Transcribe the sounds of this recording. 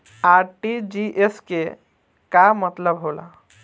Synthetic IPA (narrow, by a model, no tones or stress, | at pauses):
aɾʈid͡ʒiʔeske | kamət̪ləbɦola̰